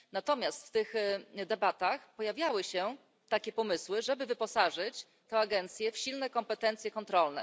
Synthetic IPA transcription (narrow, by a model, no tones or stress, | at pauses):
nat̪ɔmʲjast̪ft̪ɘxd̪ɛbat̪axpɔjavʲjawɘɕɛ | t̪akʲɛpɔmɘswɘʐɛbɘvɘpɔsaʐɘt͡ɕ | t̪ɛaɡɛnt̪sʲjɛfɕilnɛkɔmpɛt̪ɛnt̪sʲjɛkɔnt̪ɾɔlnɛ̰